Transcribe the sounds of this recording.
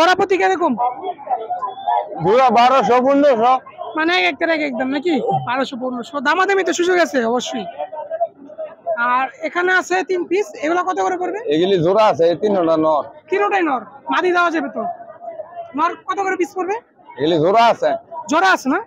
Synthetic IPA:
d͡ʒɔɾapot̪ikɛd̪ekom | zʱuɾabaɾoʃ̬ɔpunɖoʃɔ | maneɛkɛk̚t̪eɾɛkɛk̚d̪amnakibaɾoʃɔp̬onoʃɔd̪amad̪emit̪̬oʃud͡ʒoɡat͡ɕʰeɔboʃːoj | aɾekʰaneasʰet̪inpiseɡulakɔt̪ʰokoɾep̬oɾbeeɡilizuɾaasʰeet̪inɔnanɔɾkiɾoʈajnɔɾmad̪id̪aoad͡ʑabet̪o | nɔɾkɔt̪ʰokoɾepispoɾbe | eɡelizʱoɾaasʰed͡ʑɔɾaasʰena

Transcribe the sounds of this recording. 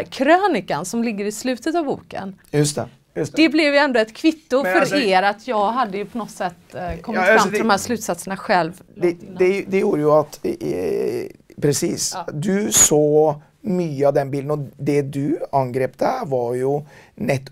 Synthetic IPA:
kʰɾøːnɪkansɔmlɪɡːəɾɪslʉ̟ːt̪ət̪ɑvbṵːkə̰njs | d̪ɛblɛvjɛnd̪ʊɛt̪kʰvɪt̪ːʊfœɾeːɾat̪ʰjɑːɡɦad̪ːəjɵpʰɔnɔt̪sɛt̪ːkʰɔmɪfɾamːɪɔmhæːɾʂlʉ̟ːt̪sat̪səɳaɧɛlvd̪ɛd̪ɛd̪ɛjuːɾəjʊɑt̪ | pʰɾɛsiːsd̪ʉsoː | myːəɑvd̪ɛnbiːld̪n̩ɔd̪ɛd̪ʉɑnɡɾeːpd̪ævɑɾjʊnɛt̪ː

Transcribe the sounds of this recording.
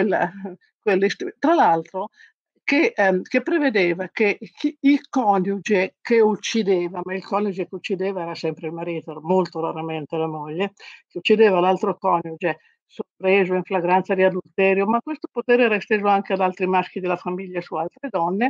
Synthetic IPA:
kwelːa̰ | kwelːist̪it̪ɾalalt̪ɾo | kekepːɾeved̪eːvakeilkɔnjud͡ʒekeut͡ʃːid̪eːvamailkɔnud͡ʒekeut͡ʃːid̪eːvaɛːɾasɛmpɾeilmaɾiːt̪oɛmolt̪oɾaɾament̪elamoʎːek̟eut͡ʃːid̪eːvalalt̪ɾokɔnjud͡ʒe | sorpɾeːzoiɱflaɡɾant̪sad̪iad̪ult̪ɛːɾjomakːwest̪opot̪eːɾeɛːɾaist̪eːzoaŋkead̪alt̪ɾimask̟id̪elːafamiʎːasualt̪ɾed̪ɔnːe

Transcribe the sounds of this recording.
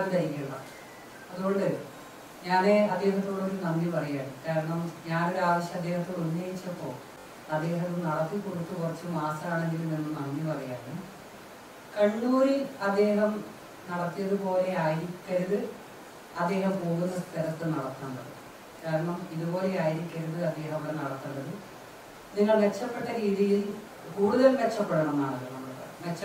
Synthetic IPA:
d̪ɐjikʲːiuɭːɐ̰ | ɐðuɣo̞ɳɖɨ | ɲaːneɐd̪ːe̞ːɦɐt̪ːoːɽeo̞ɾunɐnːipɐrɐjaːɳɨkaːɾɐɳɐmɲaːno̞ɾuaːʋɐɕjɐmɐd̪ːe̞ːhɐt̪ːounːeːjit͡ɕːɐpːo̞ːɭ | ɐd̪ːe̞ːɦɐt̪ːumnɐɽɐt̪ːikːuɽit̪ːukurit͡ɕːɨmaːsɐaːɳe̞ŋɡiluninːunɐnːipɐrɐjaːɾɐnɨ | kɐɳːuːɾiɐd̪ːe̞ːɦɐm | nɐɽɐt̪ːijɐðɨpo̞ːle̞aːjiɾikʲːɐɾuðɨ | ɐd̪ːe̞ːɦɐmpo̞ːɣunːɐst̪ʰɐɾɐt̪ːɨnɐɽɐt̪ːuɳɖɐðɨ | kaːɾɐɳɐmiðubo̞ːle̞aːjiɾikʲːɐɾuðɨɐd̪ːe̞ːɦɐmɐɽenɐɽɐt̪ːunːɐðɨ | niŋːɐɭʋe̞t͡ɕːɐpːe̞ʈːɐɾiːðijil | kuːɽuðɐlʋet͡ɕːɐpːe̞ɽuɳɐmaːɳɐlːonɐmːuɽɨpɐ̰rɐ̰j̰mʋet͡ɕːɐ

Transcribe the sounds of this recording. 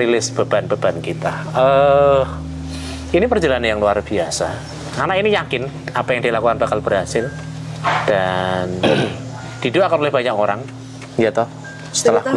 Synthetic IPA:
rilɪsb̥a̤b̥anb̥ab̥ankit̪aə | inipərd͡ʒalanjaŋluarb̥iasa | karnainijakɪn | apajaŋdilakukanb̥akalb̥ərɦasɪl | d̥an | d̪̥i̤dʊʔakanulɪhb̥a̤ɲakoɾaŋ | jat̪ɔh | sə̥t̪əlah

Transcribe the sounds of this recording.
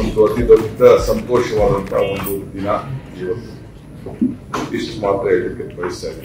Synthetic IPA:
nt̪uɐt̪id̪ɐʋit̪ɐsɐnt̪oːʃɐʋaːd̪ɐnt̪a̰ːond̪ud̪inɐiʋɐt̪ːu | isʈmaːt̪ɾɐeɽɐkːepɐjisa

